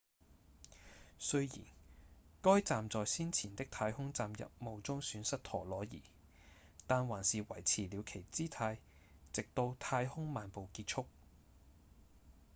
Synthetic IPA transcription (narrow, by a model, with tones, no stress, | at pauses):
sɵ˥ɥjḭː˨˩nkɔː˥jt͡saː˨mt͡sɔː˨jsiː˥nt͡sʰiː˨˩nt̪ɪ˥k̚t̪ʰaː˧jhʊ˥ŋt͡saː˨mjɐ̰˨p̚mo˨˧wt͡sʊ˥ŋsyː˨˥nsɐ˥t̚t̪ʰɔː˨˩lɔː˨˥jḭː˨˩ | t̪aː˨nwaː˨˩nsiː˨wɐ˨˩jt͡sʰiː˨˩li˨˧wkʰe˨˩jt͡siː˥t̪ʰaː˧j | t͡sɪ˨k̚t̪o˧wt̪ʰaː˧jhʊ˥ŋmaː˨npo˨wkiː˧t̚t͡ʃʰʊ˥k̚